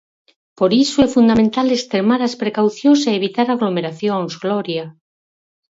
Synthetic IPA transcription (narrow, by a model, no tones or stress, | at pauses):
poɾisoɛfund̪amẽnt̪alest̪ɾemaɾaspɾekawθjoŋseːβ̞it̪aɾaɣlomeɾaθjoŋzɣloɾja